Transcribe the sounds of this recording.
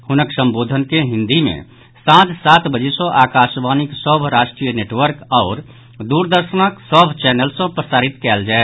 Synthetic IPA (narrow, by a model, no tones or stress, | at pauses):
hʊnəksə̃mboːd̪ʱənkeɦĩnd̪imḛ̃ | sãt̪saːt̪bəd͡ʒesɔ̃ʔaːkaːʃbaːniksəbʱɾaːʃʈɾijəneʈʋəɾkɔːɾ | d̪uːɾd̪əɾʃənəksəbʱt͡ʃɛːnəlsə̃pɾəsaːɾit̪kɛːld͡ʒaɛe